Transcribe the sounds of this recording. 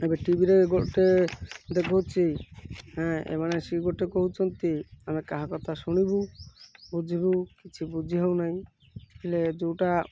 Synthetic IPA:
ebeʈibiɾeɡoʈed̪ekʰɔwt͡ʃʰiɦɛ̃ḛmaɽ̃esiɡoʈekoɦut͡ʃʰɔnt̪iamekaɦakɔt̪ʰasuɽ̃ibubud͡ʒʱibukit͡ʃʰibud͡ʒʱiɦewnaɦĩ | kʰiled͡ʒowʈa

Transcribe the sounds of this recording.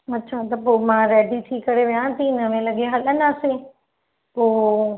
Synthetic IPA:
ɐtːʃʰat̪ɐpoːmãːɾeːɖit̪ʰiːkɐɾeʋijãt̪ʰinɐʋẽlɐɠeɦɐlənaːsẽ | poː

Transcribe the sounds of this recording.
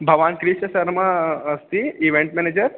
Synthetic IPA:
bʱɐʋankɾiʃɐsɐɾmaːst̪iiʋeɳʈmɛned͡ʑəɾ

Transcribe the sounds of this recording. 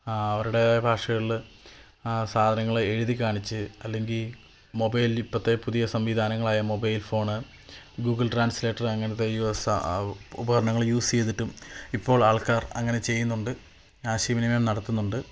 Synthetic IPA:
ɐʋɐɾuɽe̞bʱaːʂɐɣɐɭ | saːd̪ʱɐnɐŋːɐɭeɻuðikʲːaːɳit͡ɕːɨɐlːe̞ŋɡil | mo̞bɐjlipːɐt̪ːe̞puðijɐsɐmʋid̪ʱaːnɐŋːɐɭaːjɐmo̞bɐjlfo̞ːɳɨ | ɡuːɡɐɭʈraːnsleːʈːɐrɐŋːɐnɐt̪ːe̞jus | ubɐkɐɾɐɳɐŋːɐɭjuːst͡ɕe̞jt̪ːiʈːumipːo̞ːɭaːɭkaːrɐŋːɐne̞t͡ɕe̞jːunːuɳɖɨ | aːɕiminɐmɐmnɐɽɐt̪ːunːuɳɖɨ

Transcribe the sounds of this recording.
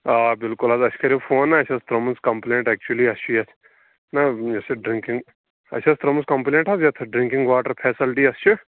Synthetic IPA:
aːbɪlkʊlazɐt͡ʃʰkɐɾifʰoːnːɐɐt͡ʃʰɐst̪ɾɐmuskɐmpleːɳʈɛːk̚t͡ʃuɐliɐst͡ʃʰujɐt̪ʰ | nɐjɐsiɖɾɪ̃ŋkĩŋɡ | ɐ̰t͡ʃʰɐst̪ɾɐmuskɐmpleːɳʈazjɐt̪ʰɖɾĩŋkiŋɡʋaːʈɐɾpʰɛːsilʈiɐst͡ʃʰu

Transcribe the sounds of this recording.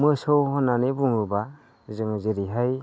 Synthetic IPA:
mɯsɔwhɔnanebuŋɾuba | zɯŋɯzeɾiɦaj

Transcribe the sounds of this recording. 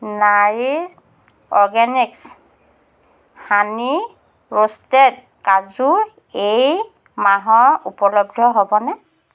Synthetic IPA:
naɹi | ɔɹɡɛniks | hani | ɹostɛt | kazu | ej | maɦɔɹupɔlɔb̚dʱɔɦobɔnɛ

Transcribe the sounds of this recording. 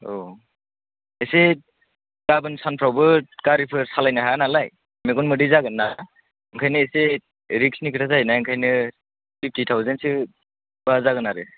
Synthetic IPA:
o | ese | ɡabɯnsanpʰɾawbɯkaɾipʰɯɾsalajnɯɦanalaj | meɡɔnmɯdizaɡɯnːa | ɯŋkʰajnɯese | ɾiksnikʰɯtʰazajnajɯŋkʰajnɯ | pʰip̚ʰtitʰawzentsɯ | bazaɡɯnaɾɯ

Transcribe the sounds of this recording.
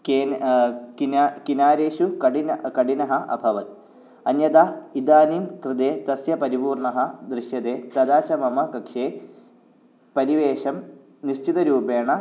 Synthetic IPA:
ke | kinkinaːɾeːʃukɐɖinkɐɖinɐɦɐʔɐ̰bʱɐʋɐt̪̚ | ɐnjɐd̪aːid̪aːninkrɨd̪eːt̪ɐsjɐpɐɾibuːrɳɐɦɐd̪ɾiʃjɐd̪eːt̪ɐd̪aːt͡ʃɐmɐmɐkɐkʂeː | pɐɾiʋeːʂɐm | niɕt͡ʃit̪ɐɾuːbeːɳɐ

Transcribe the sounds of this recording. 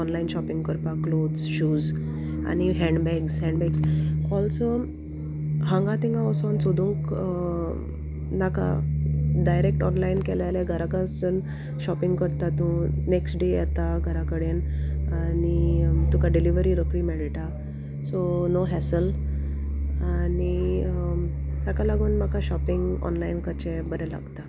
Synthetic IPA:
ɔnlainɕɔpiŋɡkəɾpaklod̪zɕuːz | a̰ñiɦɛ̃ɳɖbɛɡsɦɛ̃ɳɖbɛɡskɔlt͡sə | ɦãŋɡat̪ĩŋɡãɔsɔnsod̪ʱũŋk | naka̰ɖajɾek̚ʈɔnlainkɛlalaɡʱəɾakat͡sən | ɕɔpiŋɡkəɾt̪at̪ũneksʈɖejɛ̰t̪aɡʱəɾakəɽenanit̪ukaɖiliʋəɾiːɾəkɭiːmeɽiʈa | sonoɦɛsəl | ani | sakalaɡuːnmakaɕɔpiŋɡɔ̰nlainkəɾt͡ɕẽbəɾala̰ɡt̪a

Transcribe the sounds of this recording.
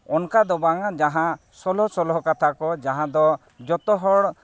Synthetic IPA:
ɔnkad̪ɔbaŋad͡ʒaɦã | sɔlɔsɔlɦɔkat̪ʰakɔd͡ʒaɦãd̪ɔ | d͡ʒɔt̪ɔɦɔɽ

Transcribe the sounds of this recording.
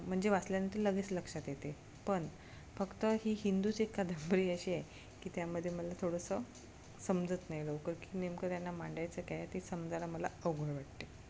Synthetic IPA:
m̤əɳd͡zeʋasljanət̪iləɡet͡sləkʂat̪jet̪e | pəɳ | fəkt̪əɦiːɦind̪ut͡sekːad̪ʱəmbɾiːəɕiaj | kiːt̪jaməd̪ʱːjeməlat̪ʰoɽəsə | səmd͡zət̪najlokəɾkiːnemkəɾjanːamaɳɖajt͡səkajat̪isəmd͡zalaməlaəwɡʱəɭʋaʈ̚t̪e

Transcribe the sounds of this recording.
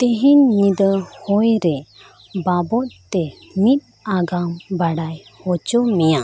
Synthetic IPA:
t̪eɦiɲːid̪əhɔjɾɛ | babɔt̪̚t̪ɛmit̪̚ˀ | aɡambaɽajhɔt͡ʃɔmija

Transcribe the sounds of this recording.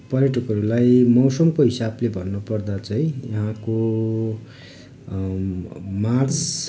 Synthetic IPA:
pʌɾjeʈukɦʌɾulajmʌwsʌmkoɦisablebʱʌnːopʌrd̪at͡sʌĩjʌɦãko | mart͡s

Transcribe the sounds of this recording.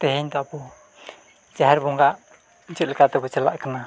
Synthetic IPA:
t̪ɛɦɛɲt̪ɔapɔ | d͡ʒaɦɛɾbɔŋɡaʔ | t͡ʃut̪lɛkat̪ɛbɔt͡ʃala̰ʔkana

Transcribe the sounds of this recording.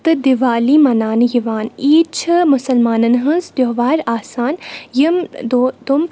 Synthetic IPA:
t̪ɨd̪iʋaːlimɐnaːnjiʋaːniːt͡ʃʰɐmʊsɐlmaːnɐnɦɐnzd̪joɦʋaːɾaːsaːnjimd̪d̪um

